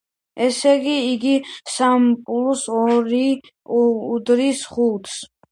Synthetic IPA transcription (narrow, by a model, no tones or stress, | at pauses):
ɛsɛɡiːɡisampʼulusɔɾi | ud̪ɾisχut̪s